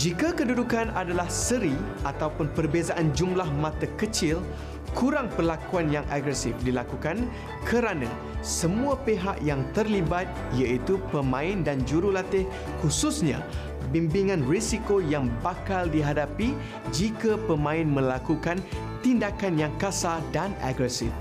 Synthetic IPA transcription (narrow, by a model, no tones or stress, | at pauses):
d͡ʒikakədudukanadalahsəɾiʔat̪awpʊnpərbezaʔand͡ʒumlahmãt̪akət͡ʃɪl | kʰuɾaŋpəlakuanjaŋʔa̰ɡɾɛsɪfdilakukan | kʰəɾanã̰ | səmũapeɦaʔjaŋt̪ərlibat̪̚ | ijait̪upəmãɪndand͡ʒuɾulat̪ɪh | hususɲã̰ | bimbiŋãnrisikojaŋbakaldiɦadapi | d͡ʒikapəmãɪnmə̃lakukan | t̪indakanjaŋkasadana̰ɡɾɛsɪf